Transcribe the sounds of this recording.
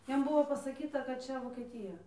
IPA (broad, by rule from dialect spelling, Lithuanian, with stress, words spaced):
ˈjiɛm ˈbʊʋoː pɐsɐˈkʲiːtɐ kɐt ˈt͡ʃʲɛ ʋoːkʲiɛˈtʲiːjɛ